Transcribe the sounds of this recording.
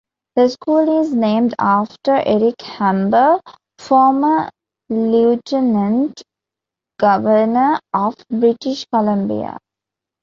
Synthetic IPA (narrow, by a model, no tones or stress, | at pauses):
d̪̥əskuːlɪznẽːmɖaːfʈəɾʔeɾɪkhæ̃mbə | fɔːmə | luːʈenə̃nʈ | ɡ̥ʌʋəɾnəʔɔʋbɾɪʈɪʃkɔlə̃mbḭa̰